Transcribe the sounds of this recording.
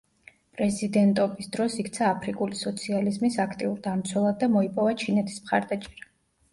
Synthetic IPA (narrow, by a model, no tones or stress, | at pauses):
pʼɾɛzid̪ɛnt̪ʼɔbisd̪ɾɔsikʰt̪sʰaːpʰɾikʼulisɔt̪sʰializmisakʰt̪ʼiuɾd̪amt̪sʰwɛlˠad̪̚ːamɔipʼɔvat͡ʃʰinɛt̪ʰi̥smχa̰ɾd̪at͡ʃʼɛɾa